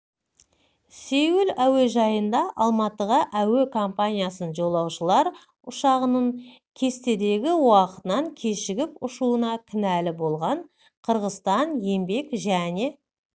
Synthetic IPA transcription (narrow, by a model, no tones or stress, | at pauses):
sewɪlæweʒɑjənd̪ɑʔɑlˠmɑt̪əʁəʔæwekʰompanʲijasənʒo̞lˠɑwʃəlˠɑɾ | ʊʃɑʁənəɴ | kʲʰe̞st̪e̞d̪e̞ɡʲɪwɑqə̥t̪ənɑŋkʲʰe̞ʃɪɡʲɪpʊʃuənɑkʲʰɪnælɪbo̞lˠʁɑɴ | qʰəɾʁəzt̪ɑnje̞mbe̞kʒæne̞